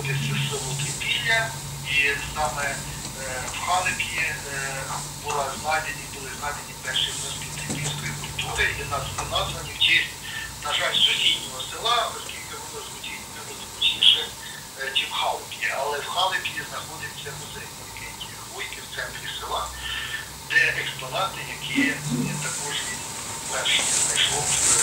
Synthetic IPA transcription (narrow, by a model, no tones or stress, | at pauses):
t̪ɪsʲɛsɪlˠʊt̪ɪpʲisʲlʲɐ | isɑmɛ | wxɑlˠɪpʲji | bʊlˠɑznɑd̪ʲenʲibʊlˠɪznɑd̪enʲipɛrʃɪjnɔskʲit̪ɪpʲiwʲsʲkɔjikʊlʲt̪uɾɪjinɐzɪnɑzʋɐnʲɪt͡ʃisʲtʲnɐʒɑlʲsʊdʲijnʲɔɦɔsɪlˠɑɔskʲilʲkɪbʊlˠɪzʊdʲijnʲimɪlʊd̪ʊɔt͡ʃnʲiʃɛ | t͡ʃimhɑlˠkʲiɐlˠɛwxɑlˠɪpʲjʲiznɐxɔd̪ɪt͡sʲːɐmʊzɪjnɔjɐkɪtʲi | ujkɪwt̪sɛnt̪ɾʲisɪlˠɑ | d̪ɛʔɛkspɔnɑt̪ɪjɐkʰijt̪ɐkɔʒʋʲid̪ʲ | pɛrʃɪiznɐjʃlˠɔ